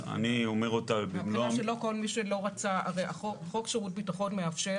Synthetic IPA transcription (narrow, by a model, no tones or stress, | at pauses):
a̰niomeʁot̪avbimloaʃelo̞ko̞lmiʃelo̞ʁat͡saa̰ʁejaχoχokʃeʁut̚bitaχonmeafʃe